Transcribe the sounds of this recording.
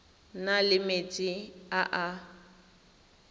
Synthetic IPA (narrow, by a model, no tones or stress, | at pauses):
nalɪmet͡sʼɪaʔa